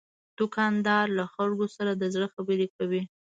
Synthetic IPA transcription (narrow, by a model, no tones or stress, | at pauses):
d̪̥ʊkɑnd̪ɑɾlaxalɡosaɾad̪əzɽəxabəɾekawi